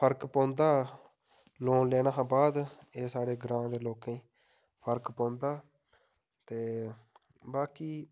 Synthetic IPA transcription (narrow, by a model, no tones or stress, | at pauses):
pʰəɾkpõːnd̪aː | loːnleːɽ̃aːɦːbaːd̪ | eːsaːɽeːɡɾãːd̪eːloːkẽː | pʰəɾkpãːnd̪aː | t̪eː | baːkiː